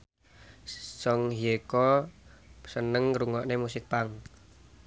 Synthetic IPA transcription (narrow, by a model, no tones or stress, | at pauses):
sɔŋɦjekɔ | sənəŋɾuŋɔʔnemusɪk̚paŋ